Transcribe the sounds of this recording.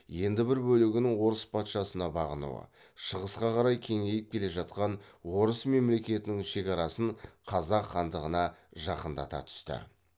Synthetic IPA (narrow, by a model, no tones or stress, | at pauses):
je̞nd̪ɪbɪɾbɵlɪɡʲɪnɪŋwo̞ɾəspʰɑt̪ʃɑsənɑbɑʁənṵə̰ | ʃəʁəsqɑqɑɾɑjkʲʰe̞ŋe̞jɪp̚kʲʰe̞le̞ʒɑt̪̚qɑnwo̞ɾəsme̞mle̞kʲe̞t̪ɪnɪŋʃe̞kɑɾɑsəɴqʰɑzɑqχɑnd̪əʁənɑʒɑqənd̪ɑ̰t̪ɑ̰t̪ʰʏ̥st̪ɪ̰